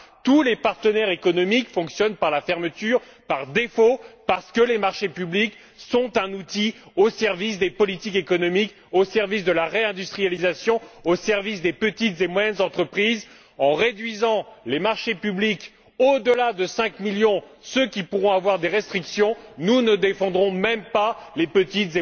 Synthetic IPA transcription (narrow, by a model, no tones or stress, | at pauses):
t̪ulepaʁt̪ənɛʁekɔnɔmikfɔ̃ksjɔnpaʁlafɛʁmət̪yʁ | paʁd̪efopaʁsə̥kəlemaʁʃepyblik | sɔ̃t̪ɛ̃nut̪iosɛʁvis̬d̪epɔlit̪ikekɔnɔmik | osɛʁvisd̪əlaʁeɛ̃d̪yst̪χijalizasjɔ̃osɛʁvisd̪epət̪it̪zemwajɛnzɑ̃t̪χəpχiz | ɑ̃ʁed̪ɥizɑ̃lemaʁʃepyblik | od̪əlad̪əsɛ̃kmiljɔ̃søkʲipuʁɔ̃avwaʁd̪eʁɛst̪χiksjɔ̃nunəd̪efɑ̃d̪ʁɔ̃mɛmpalepət̪it̪ze